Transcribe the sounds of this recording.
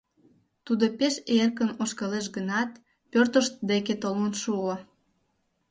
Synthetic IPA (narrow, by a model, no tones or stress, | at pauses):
t̪ud̪opeʃerkənoʃkɑleʃɡənɑt̪ | pørt̪əʃt̪̚d̪eket̪olonʃuo